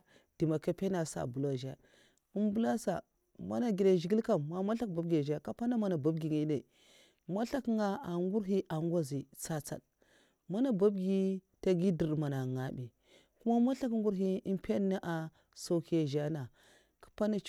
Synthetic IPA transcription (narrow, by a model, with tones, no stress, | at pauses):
d̥i˨ma˨ka˦pe˦na˨sa̰˨bu˨la˨ʒa̰˦ | u˦mbu˦la˦sa̰˨ | ma̰˦na˨ɡi˨da˨ʒi˨ɡi˦lka˦˨mːa˨ma˦ɬa˦k̚ba˨b̚ɡi˨a˨ʒa˦ka˦pa˦na˦ma˨na˨ba˦ɡi˨ŋi˨˦ne˨ | ma˦ɬa˦kŋa˦a˨ŋɡu˦ɾɦi˦ʔa˨ŋ˦ɡa˦zi˨t͡sa˦t͡sa̰˨d | ma˦na˦˨ba˦b̚ɡi˦ | ta˦ɡi˦di˨ɾma˨na˨ŋa˨bi˨ | ku˦ma˦ma˦ɬa˦kŋɡu˦ɾɦi˦i˦mpʰe˦na˦ʔa˨ | so˦ki˦a˨ʒa˦na˨ | kḁ˨pa˦na˦t͡ʃ